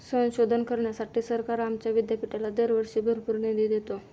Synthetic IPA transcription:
sə̃ñɕod̪ʱənkəɾɳjasaʈiːsəɾkaɾamt͡ɕjaʋid̪japiʈalad̪əɾʋəɾʂibʱəɾpuɾned̪id̪et̪o

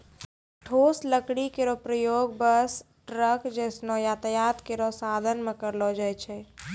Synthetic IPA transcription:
ʈʰoːsləkɽikeɾɔpɾəjoɡbəs | ʈɾəkd͡ʒɛsnɔjat̪əjat̪keɾɔsaːd̪ʱənmẽkəɾlɔd͡ʒajt͡ʃʰɛ

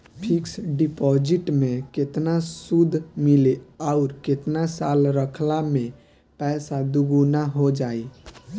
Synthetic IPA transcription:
pʰiksɖipɔd͡ʒiʈmẽket̪nasud̪ʱmileaʊɾket̪nasalɾəkʰlamẽ | pɛsad̪uɡunaɦod͡ʒaːi

